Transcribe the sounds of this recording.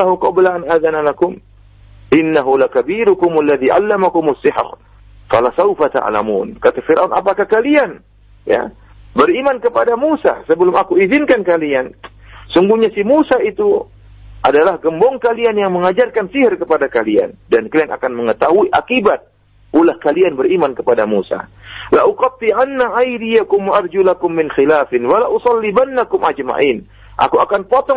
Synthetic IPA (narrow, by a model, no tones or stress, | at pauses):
aɦuqɔblaʔanaðanalakʊm | ʔɪnːaɦulakabiɾʊkʊmalːaðiʕa̰lːamakʊmasːɪħr | falasawfat̪a̰ʕla̰mṵːnkat̪afiɾʔaunʔa̰pakahkalian | ja̰ | bəɾimankəpadamusa̰səbəlʊmakuizɪnkankalian | suŋɡuɲasimusait̪u | ʔadalahɡəmbɔŋkalianjaŋməŋad͡ʒarkansɪhrkəpadakalia̰ndankəliana̰kanməŋət̪aɦuiʔa̰kibat̪̚ | ʔulahkalianbəɾimankəpadamusa̰laʔuqɑt̪ˤːiʕanːaʔajdijakʊmwaʔarˤd͡ʒulakʊmːɪnxilaːfɪnwalaʔusɑlːibanːakʊmad͡ʒma̰ʔin | ʔa̰kuakanpot̪ɔ